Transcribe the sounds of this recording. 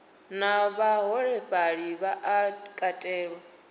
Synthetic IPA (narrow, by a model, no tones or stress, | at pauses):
naβaɦɔɺɛɸaɺiβaʔakʼatʼɛːɺɔ